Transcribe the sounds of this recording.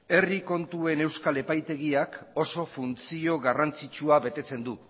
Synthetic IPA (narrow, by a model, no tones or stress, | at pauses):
e̞riko̞nt̪ue̞ne̞wskale̞pajt̪e̞ɣ̞iako̞so̞funt͡sio̞ɣarant͡sit͡ʃuaβe̞t̪e̞t͡se̞nd̪u